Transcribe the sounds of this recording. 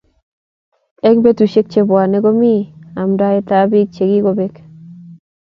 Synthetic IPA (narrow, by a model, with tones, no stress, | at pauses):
ɛ˦kbe˦tu˨ʃe˦k̚t͡ʃe˦bwa˨ne˦ɡo˦mi˦˨a˨mda˦ɪ˦ta˦bi˦k̚t͡ʃe˨ɡi˦ɡo˦˨be˦k